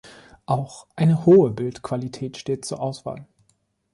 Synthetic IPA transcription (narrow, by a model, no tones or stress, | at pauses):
ʔaʊxʔaɪnəhoːəbɪltkʰv̥alitʰɛːtʃteːt̚t͡suːɐʔaʊsv̥a̰ːl